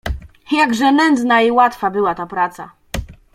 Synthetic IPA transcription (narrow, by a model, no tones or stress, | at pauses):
jaɡʐɛnɛnd̪znaiwat̪fabɘwat̪apɾat̪sa